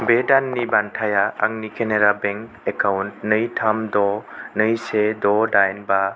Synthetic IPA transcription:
bedanːibantʰajaaŋnikʰeneɾabeŋk | ekʰawnt̚nɯjtʰamdɔnɯjsedɔdajnba

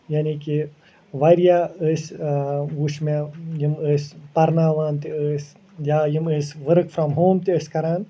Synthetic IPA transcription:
janiki | ʋaɾjaəs | ʋuʃmejiməspɐɾnaːʋãːnt̪iəs | jaːjiməsʋəɾkfɾɔ̃mɦõːmt̪iəskɐɾan

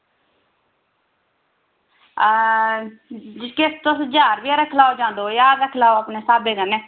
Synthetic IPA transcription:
d͡ʒɪket̪ʊsd͡ʒaːɾʋiːaːɾəkʰlaːod͡ʒãːnd̪oːjaːd̪ɾəkʰlaːoapneːsaːbeːkəneː

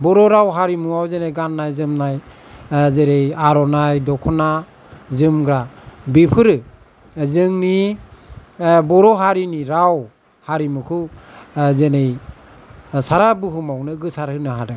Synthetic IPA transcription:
bɔɾɔɾawɦaɾimuawzenejɡanːajzɯmnaj | zeɾejaɾɔnajdɔkʰɔna | zɯmɡɾabipʰɯɾɯ | zɯŋni | bɔɾɔɦaɾiniɾaw | haɾimukʰɯwzenej | saɾabɯɦumawnɯɡɯsaɾhɯnaɦadɯ

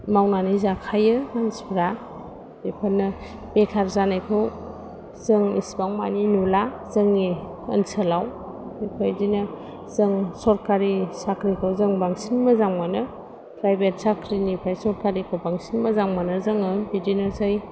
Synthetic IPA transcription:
mawnanizakʰajɯmansbɾa | ipʰanːɯ | b̥ekʰaɾzanajkʰɯw | zɯŋḭsbaŋma̰ninula | z̥ɯŋːi | ə̰nsʰəlaw | ipʰajzinɐ | zɯŋsɔɾkaɾisakɾikʰɯwzɯŋbaŋsinməzaŋmanɯ | pɾajbet̚sakʰɾinipʰajsɔɾkaɾikʰɯwbaŋsinmazaŋmanɯzɯŋɯbidinasaj

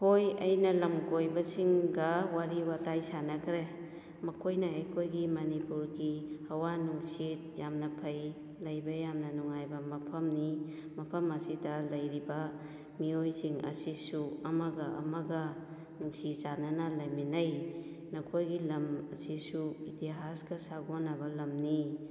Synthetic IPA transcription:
hojɐjnɐlɐmkojbɐsiŋɡɐwaɾiwatajsanɐkʰɾe | mɐkʰojnɐejkʰojɡimɐnipuɾɡihɐwanuŋsit̚jamnɐpʰɐj | lɐjbɐjamnɐnuŋajbɐmɐpʰɐmni | mɐpʰɐmɐsidɐlɐjɾibɐ | miojziŋɐ̰sisuɐmɐɡɐʔɐ̰mɐɡɐ | nuŋsizanɐnɐlɐjminɐj | nɐkʰojɡilɐmɐ̰sisuitiɦasɡɐsaɡonɐbɐlɐmni

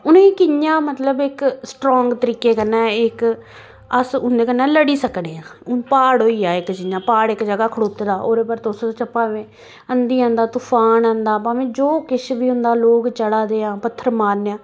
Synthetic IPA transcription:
ʊnːiːkɪjãːmət̪ləbɪksʈɾɔːŋɡt̪əɾiːkeːkənːɛ̃ːɪk | əsʊnd̪eːkənːɛ̃ːləɽiːsəkneːãːʊnpaːɽoːiːaːɪkd͡ʒɪɲãːpaːɽɪkd͡ʒəɡaːkʰəɽoːt̪eːd̪aːʔoːɾeːpəɾt̪ʊst͡ʃəpaːʋẽː | ənd̪iːãːnd̪aːt̪ʊpʰaːnãːnd̪aːpãːʋẽːd͡ʒoːkɪʃbiːʊ̃nd̪aːloːɡt͡ʃəɽaːd̪eːãːpət̪ʰːəɾmaːɾneːãː

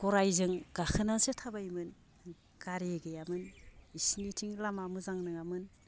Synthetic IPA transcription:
ɡ̥ɔɾajzɯŋɡ̥akʰɯnazetʰabajmɯn | ɡ̥aɾeɡɯjamɯnisnitʰiŋlamamɯzaŋnɯŋamɯn

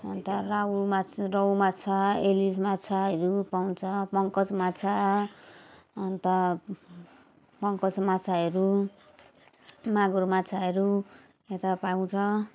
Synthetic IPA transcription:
ʌ̰nt̪ʌraumat͡srʌwmat͡sʰaelismat͡sʰaʌɾupaw̃t͡sʰʌpʌŋkʌt͡smat͡sʰa | ʌnt̪ʌ | pʌŋkʌt͡smat͡sʰaɦʌɾu | maɡuɾmat͡sʰaɦʌɾu | et̪apaw̃t͡sʰʌ

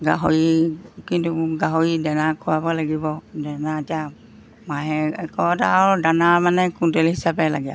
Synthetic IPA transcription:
ɡaɦoɹikintuɡaɦoɹidɛnakʰɔwabalaɡibɔdɛnatia | maɦɛɛkɔtadanamanɛkuntɛlɦisabɛlaɡɛa̰

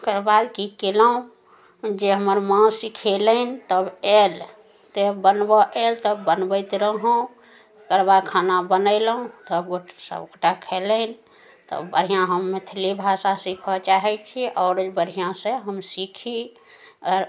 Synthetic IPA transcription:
kəɾbad̪kikelaũ | d͡ʒeɦəməɾmãsikʰelənt̪əbel | t̪ebənbɔʔelt̪əbənbəɪt̪ɾəɦõ | kəɾbakʰanabənəɪlũt̪əbɡosə̰bɡoʈakʰelən | t̪ə̰bəɾ̤ijãɦəmːet̪ʰilibʱasasikʰɔt͡ʃaɦɛt͡ʃʰiʔɔːɾəd͡ʒbəɾijãsẽɦəmsikʰi | əɾ

